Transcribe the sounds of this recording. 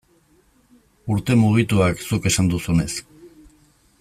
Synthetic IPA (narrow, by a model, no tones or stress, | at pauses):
uɾt̪e̞muɣ̞it̪uaksuke̞sand̪usune̞s